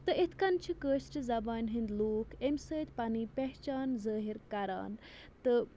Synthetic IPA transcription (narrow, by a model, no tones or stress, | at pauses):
t̪ɨit̪ʰkɐnt͡ʃʰikəːʃʈʰizɐbaːnɦind̪loːkʰemʲsəːt̪ʲpɐniːpeɦt͡ʃaːnzəːɦiɾkɐɾa̰ːn | t̪ɨ